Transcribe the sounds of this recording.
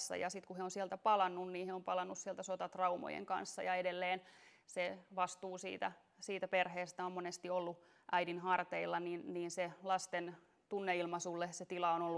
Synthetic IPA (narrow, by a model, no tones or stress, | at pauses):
sːɑ̰jɑ̰sit̪kuheonsielt̪æpɑlɑnːunniːheompɑlɑnːussielt̪æsot̪ɑt̪rɑumo̰jḛŋkɑ̰nsːɑjɑedelːeːnseʋɑst̪uːsḭːt̪æ | siːt̪æperheːst̪æommonest̪iolːu | ʔæidinhɑrt̪eilːɑninniːnselɑst̪en | t̪unːeilmɑsulːeset̪ilɑonolːu